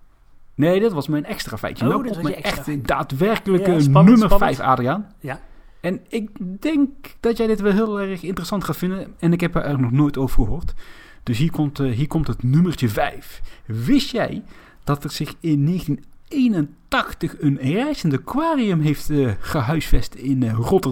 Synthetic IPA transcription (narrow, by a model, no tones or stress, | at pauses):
nejdɑtʋɑsmɛjnɛkstraːfɛ̰jtənamɛɛxtda̰ːtʋɛɹkələkənɵmərfɛjfa̰ːdrian | ɛnɪk̚dɛŋkd̥ɑtjɛjdɪtʋɛlˠɦɪːlˠɛrχɪntərəsɑntχaːtfɪndəɛnɪkɦɛpɦaːɹʔɛrnɔχnoːjtowvəɹχəɦoːɹt | d̥ɵsɦiːɹkɔmtɦiːɹkɔmtɦətnɵmərt͡ʃəvɛ̰jfʋɪsjɛ̰j | d̥ɑtɛrz̥ɪχɪnːejxəntin | ejnəntɑxtəχənrɛjzəndəkʋaːriəmɦejftχəɦœɥsfɛstɪnrɔtə